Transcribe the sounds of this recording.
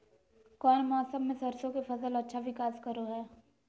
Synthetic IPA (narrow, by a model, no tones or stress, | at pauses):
kɔːnmɔːsəmːẽsɐɾsõkefɐsəlɐtːʃʰaʋɪkaːskɐɾoɦɛː